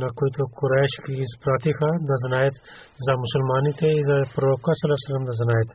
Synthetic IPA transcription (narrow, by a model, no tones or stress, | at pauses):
nakojt̪okuɾaʃkiːzpɾaːt̪ixãd̪aznaːjet̪ | zamusulmaːnit̪eizapɾoːkasɐlasɐlɐmd̪ɐznajet̪